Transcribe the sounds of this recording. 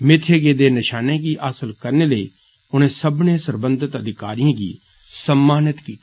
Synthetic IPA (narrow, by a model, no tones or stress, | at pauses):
mɪt̪ʰeːɡeːd̪eːnɪʃaːneːkiːʔaːsəlkəɾneːləḭː | ʊnẽːsəbnẽːsəɾbə̃nd̪ɪt̪əd̪ʱɪka̰ːɾijãːɡḭː | səmːaːnɪt̪kiːt̪i